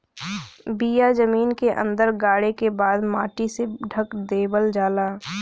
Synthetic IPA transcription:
bijad͡ʒəmiːnkeʔə̰̃nd̪əɾɡaːɽekebaːd̪maːʈiseɖʱəkd̪eːbəld͡ʒaːlaː

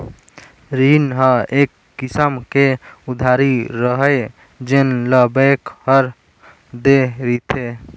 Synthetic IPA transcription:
ɾinɦəekːisəmkeud̪ʱaɾiɾəɦəj | d͡ʒenləbəkhəɾ | d̪eɾit̪ʰe

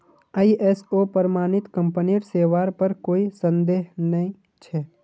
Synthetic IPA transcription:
aiʔɛsoːpəɾmaːnɪt̪kə̃mpəniɾseːwaːɾpəɾkoːisə̃nd̪eːɦnəɦĩ | t͡ʃʰɛː

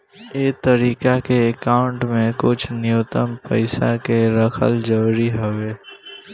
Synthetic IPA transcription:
eːt̪əɾiːkakeekaːʊɳʈmẽkʊt͡ʃʰnɪjoːt̪əmpəɪsakeɾəkʰə̰ld͡ʒəwɾiɦoʋeː

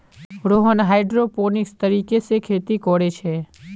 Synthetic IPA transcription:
ɾoɦənɦajɖɾoponɪkst̪əɾikesekʰeːt̪ikɔɽet͡ʃʰe

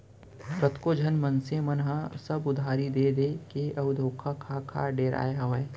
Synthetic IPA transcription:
pɾɐt̪kod͡ʒʱɐnmənsemɐnɦãsɐbʊd̪ʱaːɾid̪eːd̪eːkeɐʋd̪ʱoːkʰakʰaːkʰa̰ːɖeːɾa̰ːjeɦɐʋeː

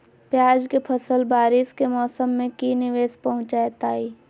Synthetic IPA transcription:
pjaːd͡ʒkepʰəsəlbaːɾɪskemɔːsəmːẽkinɪʋeːspɐɦʊ̃t͡ʃaːet̪aːiː

